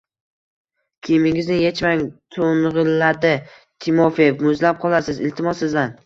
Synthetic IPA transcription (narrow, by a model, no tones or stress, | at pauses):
kʲʰemɪŋɪznɪjet͡ʃmaŋt̪ʰonʁɨlːad̪ɪ | t̪ʰɪmofijefmʊzlap̚qʰɒlˠasɪzɪ̰lt̪ʰɪmɒsɪzd̪an